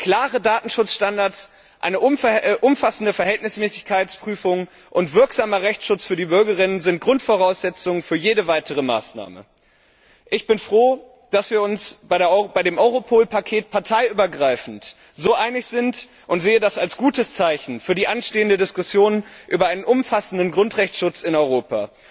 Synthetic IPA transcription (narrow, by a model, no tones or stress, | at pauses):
kʰl̥aːʁədaːtn̩ʃʊt͡sʃtandaɐts | ʔa̰ɪnəʔʔʊmfasn̩dəfɛɐɦɛltnɪsmɛːsɪçkʰaɪtspʁ̥yːfʊŋ | ʔʊntv̥ɪɐkz̥aːmɐʁɛçt͡sʃʊt͡sfyːɐdiːbʏɐɡəʁɪnənzɪnt̚ɡ̥ʁʊntfoʁ̞aʊsz̥ɛt͡sʊŋənfyːɐjeːɾəvaɪtʰəʁ̞əma̰ːsna̰ːmə̰ | ʔɪçb̥ɪnfʁ̥oː | d̥asv̥iːɐʊnsb̥aɪɐb̥aɪɾeːmʔɔʏʁopʰoːlpʰakʰeːt̚pʰaɐtʰaɪyːbɐɡʁaɪfn̩t | z̥oːʔaɪnɪçz̥ɪnt | ʔʊntz̥eːədasalsɡ̥uːtəst͡saɪçn̩fyːɐdiːʔanʃteːəndədɪskʊsjoːnʔy̰ːbɐʔaɪnənʔʊmfasn̩dənɡʁʊntʁ̥ɛçt͡sʃʊt͡sɪnɔʏʁoːpa̰